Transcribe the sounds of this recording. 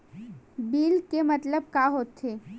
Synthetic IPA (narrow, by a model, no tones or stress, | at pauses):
biːlkemɐt̪ləb̚kaɦoːt̪ɦeː